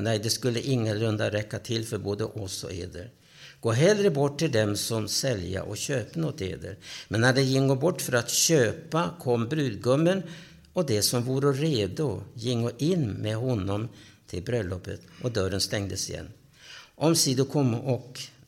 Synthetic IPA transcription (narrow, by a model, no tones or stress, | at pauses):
nɛjd̪ɛskɵlːəʔɪŋːəlɵnd̪aɾɛkːat̪ʰɪlːfœɾboːd̪ə̰ʔɔsɔ̰ḛːd̪əɾ | ɡ̥oːɦɛlɾəbɔʈːɪld̪ɛmsɔmsɛlja̰ʔɔɕøːpnɔt̪ḛːd̪ə̰ɾmɛnːæɖɛjɪŋːoːbɔʈːfœɾat̪ɕøːpakʰɔmːbɾʉ̟ːd̪ɡɵmːən | ɔd̪ɛsɔmvuːɾəɾeːd̪ʊjɪŋːʊʔɪnːmeɦɔnːɔm | t̪ʰɪlbɾœlːɔpːət̪ʔɔd̪œɾənst̪ɛŋd̪əsɪjɛ̰nː | ʔɔmsiːd̪ʊkʰɔmːɔk